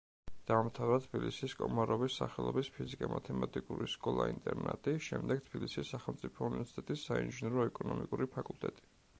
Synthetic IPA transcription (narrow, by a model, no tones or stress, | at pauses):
d̪̥aːmt̪ʰavɾat̪ʰbilisiskʼɔmaɾɔbisːaχɛlˠɔbispʰizikʼamat̪ʰɛmat̪ʼikʼuɾiskʼɔlˠaint̪ʼɛɾnɛ̰t̪ʼiʃɛmd̪ɛɡ̚t̪ʰb̥ilisisːaχɛlˠmt̪sʼipʰɔunivɛɾsi̥t̪ʼɛt̪ʼisːainʒinɛɾɔɛkʼɔnɔmikʼuɾipʰakʼulˠt̪ʼɛt̪ʼi̥